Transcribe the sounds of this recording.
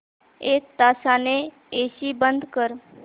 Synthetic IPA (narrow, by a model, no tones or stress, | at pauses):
et̪asane | esibənd̪ʱkəɾ